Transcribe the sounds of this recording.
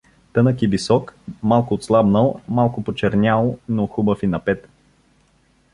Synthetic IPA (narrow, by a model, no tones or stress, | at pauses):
t̪ɤnəkivisɔkmalˠkʊːt̪slˠabnəlˠmalˠkʊpot͡ʃɛɾnʲalˠnoxubəfinɐpɛt̪